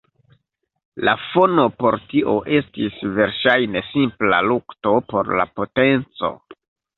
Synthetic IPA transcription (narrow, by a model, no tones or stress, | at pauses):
lafo̞no̞po̞ɾtiʔo̞ʔe̞stisve̞ɾʃajne̞simpla̰lukto̞po̞ɾla̰po̞te̞nt͡so̞̰